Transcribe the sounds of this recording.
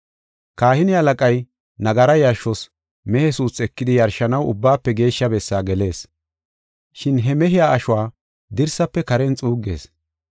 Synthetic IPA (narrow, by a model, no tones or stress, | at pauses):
kaːhɪnɪɐlɐkʼɐj | nɐɡɐɾɐjɐɾʃɔs | mɛhɛsuːsɛkːɪd̪ɪjɐɾʃɐnɐwʊ̰bːaːpːɛɡe̞ːʃːɐbɛsːaːɡɛle̞ːs | ʃɪnɦɛmɛɦɪjaːʔɐʃʊwaː | d̪ɪɾsɐpːɛkɐɾɛnt͡sʼuːɡe̞̰ːs